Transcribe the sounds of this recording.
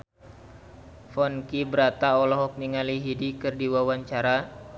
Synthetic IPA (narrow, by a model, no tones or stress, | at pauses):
fɔnkibəɾat̪aɔlɔɦɔk̚niŋaliɦidikɨrdiwawaɲt͡ʃaɾa